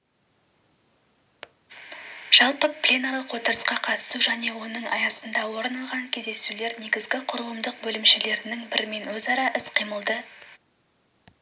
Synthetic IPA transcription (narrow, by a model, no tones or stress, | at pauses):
ʒ̥ɑlˠpəpʰlʲenoɾlˠəqwo̞t̪əɾəsqɑqʰɑt̪ə̥suʒæne̞wo̞nəɴɑjɑsənd̪ɑwo̞ɾnɑlˠʁɑŋkʲʰe̞zd̪e̞sule̞ɾne̞ɡʲɪzɡʲɪqʰʊɾəlˠəmd̪əq̚bɵlɪmʃele̞ɾɪnɪŋbɪɾme̞nwɵzɑɾɑʔɪsqʰijməlˠd̪ə